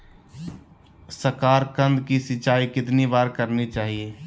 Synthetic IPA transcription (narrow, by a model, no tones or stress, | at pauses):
səɾkaːɾkə̃nd̪kisɪt͡ʃaːikɪt̪nibaːɾkəɾnit͡ʃaːɦieː